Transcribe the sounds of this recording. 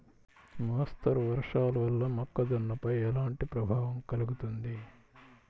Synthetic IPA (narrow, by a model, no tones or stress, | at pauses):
mɐɦɐst̪ʰɐɾuʋɐɾʂaːluʋɐlːɐmɐkːɐd̪ɐnːɐpɐjɛlaːɳʈipɾɐbʱaːʋɐmkɐluɡut̪und̪i